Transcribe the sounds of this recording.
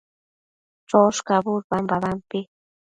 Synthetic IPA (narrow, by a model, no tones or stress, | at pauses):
ʈ͡ʂoʃkabʊɾbambaβampɪ